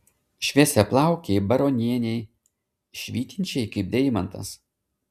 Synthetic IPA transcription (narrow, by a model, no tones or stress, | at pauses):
ʃʲʋʲiɛsʲɛplˠɑˑʊkʲeɪbɐɾɔnʲiɛnʲɛɪ | ʃʲʋʲiːt̪ʲɪnʲt͡ʃʲɛɪkɐɪp̚d̪ʲɛɪmɐnt̪ɐ̰s